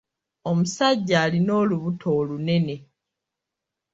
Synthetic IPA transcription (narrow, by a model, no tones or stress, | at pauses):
o̞musaɟːaːlino̞ːluβutʰo̞ːlune̞ne̞